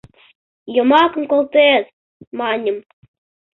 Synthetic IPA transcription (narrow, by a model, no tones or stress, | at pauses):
jomɑkɤ̆mkolˠt̪ez | mɑnʲəm